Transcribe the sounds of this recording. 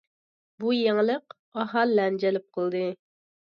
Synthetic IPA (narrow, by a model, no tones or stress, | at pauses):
bujeŋlˠəq | ɑɦɑlːɛnd͡ʒɛlɪp̚qʰəlˠd̪ɨ